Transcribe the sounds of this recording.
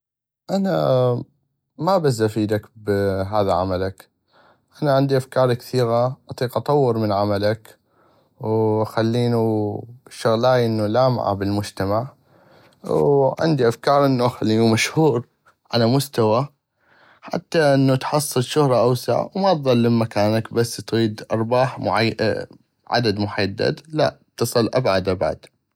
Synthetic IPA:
ʔana | mabas̬ʔafiːd̪akbɦaːðaʕa̰malak | ʔanaʕɪnd̪iʔafkɑːɾˤkθiːɣaʔɑt̪ˤiːqʔɑt̪ˤɑwːɨɾmɪnʕamalak | wʔxalːiːnu | ʃʊɣlaːjʔɪnːulaːma̰ʕa̰bɪlmʊd͡ʒt̪amaʕ | wʕɪ̰nd̪iʔafkɑːɾˤʔɪnːuʔaxalːiːnumaʃhhuːɾ | ʕalamʊst̪awa | ħa̰t̪ːaʔɪnːut̪ħɑsˤːɨlʃʊhɾˤɑʔawsaʕa̰wmat̪ðˤɑlːɪmmakaːnakbasːt̪ɣiːd̪ʔɑɾˤbɑːħmʊʕa | ʕa̰d̪ad̪mʊħad̪ːa̰d̪laʔt̪ːɨsˤɨlʔabʕad̪ʔabʕa̰d̪

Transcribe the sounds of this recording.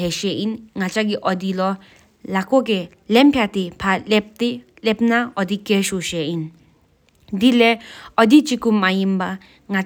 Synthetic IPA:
ɦɛʃɛʔinŋat͡ʃaɡiʔɔd̪ilɔ | lakok̬ɛ | lɛmpʰjat̪ipʰalɛt̪ilɛpnaɔd̪ikːeʃoʃɛin | d̪ilɛɔd̪it͡ʃikumajimba | ŋa

